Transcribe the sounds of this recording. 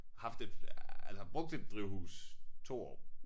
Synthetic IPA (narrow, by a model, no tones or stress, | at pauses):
hɑ̈fd̥eælsəb̥ʁɔ̽ɡ̥̚d̥e̝d̥̚ːʁiʊhṵːst͡sʰo̝̰ːɒ̰ː